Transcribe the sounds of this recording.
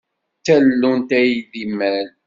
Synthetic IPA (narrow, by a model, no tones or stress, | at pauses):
t͡sːællːunt̪æjðimːæl